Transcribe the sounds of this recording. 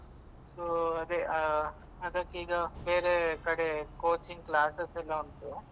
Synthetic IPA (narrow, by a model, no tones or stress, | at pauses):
soːɐd̪eɐ | ɐd̪ɐkːiːɡɐbeːɾekɐɽekoːt͡ʃiŋɡklaːsesɛlːɐunt̪u